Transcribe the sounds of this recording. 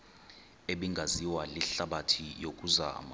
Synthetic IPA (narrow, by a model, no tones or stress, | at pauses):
eɓiŋɡʱaziwaliɬaɓatʰijok̬ʼuza̰ma